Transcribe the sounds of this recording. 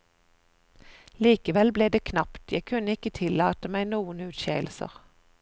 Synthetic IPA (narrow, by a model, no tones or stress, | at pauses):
liːkəʋɛlbleːd̪eːkʰnɑpt̪jæɪkʰʉnəɪkət̪ʰɪlɑːt̪əmæɪnuːənʉːt̪ʃḛːl̩sə̰ʁ